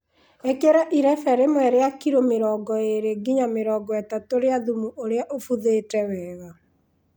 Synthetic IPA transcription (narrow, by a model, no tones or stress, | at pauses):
ekeɾaʔiɾɛfɛɾemwɛɾeakiɾomeɾɔːɡɔeɾeɡiɲameɾɔɡɔɛtatoɾeaðumuʔoɾeaʔofuðetɛwɛːɣa